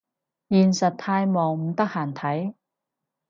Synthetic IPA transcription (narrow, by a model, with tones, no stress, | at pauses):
jiː˨˩nsɐ˨t̚t̪ʰaː˧jmɔː˨˩ŋm̩˨˩t̪ɐ˥k̚haː˨˩nt̪ʰɐ˨˥j